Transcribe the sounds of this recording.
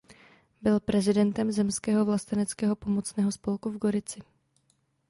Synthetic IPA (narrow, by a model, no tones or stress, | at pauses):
bɪlpɾɛzɪdɛnt̪ɛmzɛmskɛːɦovlast̪ɛnɛt͡skɛːɦo̞po̞mot͡snɛːɦo̞spo̞lkuvɡo̞ɾɪt͡sɪ